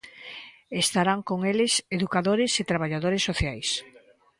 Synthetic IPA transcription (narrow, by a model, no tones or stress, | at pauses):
est̪aɾaŋkoŋelɪseðukaðoɾɪset̪ɾaβaʎaðoɾesːoθjajs